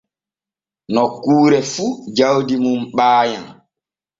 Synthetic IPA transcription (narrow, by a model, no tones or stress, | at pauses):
nɔkːuːɾɛfud͡ʒawdimumɓaːja̰n